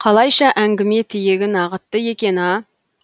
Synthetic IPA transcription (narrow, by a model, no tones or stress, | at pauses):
qʰɑlˠɑjʃɑʔæŋɡʲɪmet̪ʰɪjeɡʲɪnɑʁət̪ːəjekʲenɪɑ